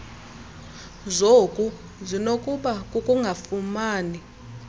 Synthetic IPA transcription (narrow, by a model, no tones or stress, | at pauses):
zokʼu | zinokʼuɓakʼukʼuŋɡʱafumaːni